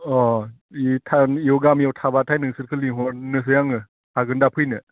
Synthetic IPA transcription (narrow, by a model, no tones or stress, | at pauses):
ɔ | itʰaiɔwɡamijawtʰabatʰajnɯŋsɯɾkʰɯliŋɦɔɾnɯs̬ɯjaŋɯ | aɡɯndapʰɯjnɯ